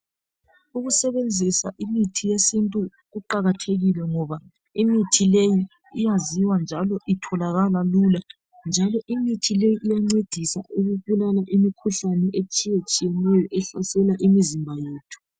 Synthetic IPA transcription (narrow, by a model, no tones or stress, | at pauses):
uɣusɛβend͡zʱisa̰ʔimitʰijesintʼu | ɣuǃaɣatʰeɣilɛŋɔβa | imitʰileji | ijaziwand͡ʒʱalɔʔitʰɔlaɣalalula | nd͡ʒʱalɔʔimitʰilejiʔijaŋ͡ǀed̥ʱisauɣuβulalaʔimikʰuɬanɛʔet͡ʃʼijet͡ʃʼijɛnɛjɔʔɛɬasɛlaʔimizimbʱajeːtʰu̥